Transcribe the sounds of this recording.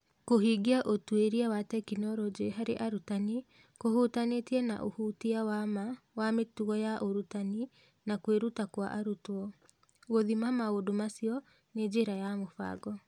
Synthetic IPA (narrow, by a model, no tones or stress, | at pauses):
koɦiɡiaʔotweɾiawatɛkinɔɾɔd͡ʒiɦaɾeʔaɾutani | kohutanetiɛna̰ʔo̰hutiawama | wametuɣɔjaʔoɾutani | nakweɾutakwaʔaɾutɔ | ɣoðimamaodomasiɔ | ned͡ʒeɾajamofa̰ɡɔ